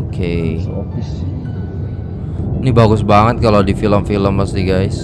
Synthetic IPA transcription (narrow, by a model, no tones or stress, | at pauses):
okʰe | s | inibaɡʊsbaŋət̪̚kalodifiləmfiləmpəst̪iɡajs